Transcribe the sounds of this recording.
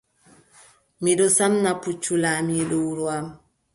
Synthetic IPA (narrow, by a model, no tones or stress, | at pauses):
miɗɔsamnaput͡ʃːulamiɗɔwuɾuam